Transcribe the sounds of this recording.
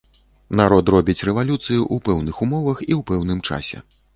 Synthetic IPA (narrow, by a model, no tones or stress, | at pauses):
naɾɔt̪rɔbʲit͡sʲrɛvalʲut̪sɨjuʔupɛwnɨxumɔvɐxiwpɛwnɨmt͡ʂa̰sʲɛ̰